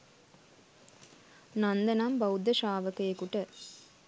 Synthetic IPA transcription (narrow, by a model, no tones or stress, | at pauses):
nɐnd̪ɐnambɐwd̪ːɐʃaːʋɐkɐekuʈɐ